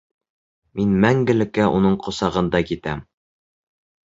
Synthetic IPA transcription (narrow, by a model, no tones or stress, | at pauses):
minmæŋɡɘ̆lɘ̆kːæʔunɤɴqŏsɑʁɤ̆nd̪ɑkit̪æm